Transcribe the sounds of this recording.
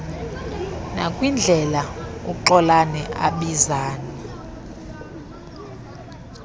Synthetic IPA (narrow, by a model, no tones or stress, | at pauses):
na̰kʼwind͡ɮʱɛlaṵǃɔlanɛʔa̰ɓizaːni